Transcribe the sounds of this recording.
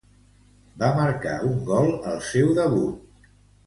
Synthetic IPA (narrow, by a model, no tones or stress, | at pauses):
baməɾka̰uŋɡɔlˠəlˠsewðəβut̪̚